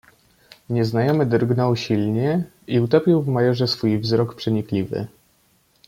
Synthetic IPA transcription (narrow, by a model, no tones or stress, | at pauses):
ɲɛznajɔmɘd̪ɾɡnɔwɕilɲɛ | iut̪ɔpʲiwvmajɔʐɛsfujvzɾɔkpʂɛɲiklʲivɘ̰